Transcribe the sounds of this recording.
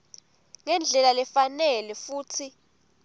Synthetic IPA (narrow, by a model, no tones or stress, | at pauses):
ŋɛnd͡ɮʱɛlalɛfanɛlɛfuːtʰi